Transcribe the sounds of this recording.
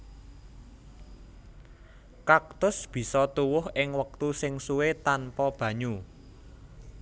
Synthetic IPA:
kak̚t̪ʊsb̥i̤sɔt̪uwʊhɪŋwək̚t̪usɪŋsuwet̪anpɔb̥ä̤ɲu

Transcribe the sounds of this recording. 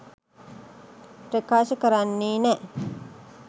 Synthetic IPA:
pɾekaːʃɐkɐɾɐnːiːnɛ

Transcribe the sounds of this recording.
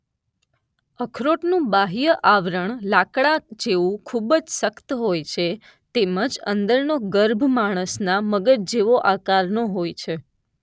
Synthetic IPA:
əkʰɾoʈnũbaɦijəʔaʋɾəɳlakɽad͡ʒeʋũkʰubd͡ʒsəkt̪ɦojt͡ʃʰe | t̪eməd͡ʒə̰nd̪əɾnoɡəɾbʱmaɽ̃əsnaməɡəɾd͡ʒeʋoʔakaɾnoɦojt͡ʃʰe

